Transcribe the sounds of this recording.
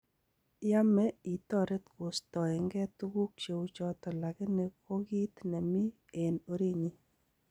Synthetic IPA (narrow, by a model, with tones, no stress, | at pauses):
ja˦mɛ˦i˨tɔ˦˨ɾe˦t̪ko˨stɔ˨ɪ˨ŋɡɛ˦tu˦ɡu˦k̚t͡ʃe˨u˦t͡ʃɔ˦tɔ˨la˨kɪ˦ne˨ko˦ɡi˦tnɛ˨mi˦ | e˨no˦ɾi˦ɲi˦